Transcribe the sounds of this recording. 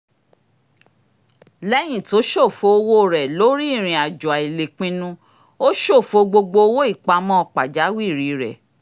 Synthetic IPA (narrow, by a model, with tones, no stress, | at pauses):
lɛ˦j̃ĩ˦˨to˨˦ʃo˦˨fo˨˧o˧wo˦˨ɾɛ˨lo˦ɾi˦˨ɾ̃ĩ˨a˨d͡ʒɔ˨a˨i˨le˨k͡pĩ˧nũ˧ | o˦ʃo˦˨fo˧ɡ͡bo˧ɡ͡bo˧o˧˦wo˦i˦˨k͡pa˧mɔ̃˦ɔ˧k͡pa˨d͡ʒa˨˦wi˦˨ɾi˨˦ɾɛ˨